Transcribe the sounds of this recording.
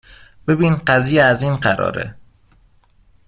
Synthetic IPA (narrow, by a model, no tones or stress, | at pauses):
b̥e̞biːnɢæziːjeæziːnɢæɾɒ̰ːɾḛ